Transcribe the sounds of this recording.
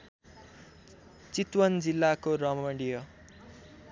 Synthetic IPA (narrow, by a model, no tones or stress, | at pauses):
t͡sit̪wʌnd͡zilːakoɾʌmʌɽijʌ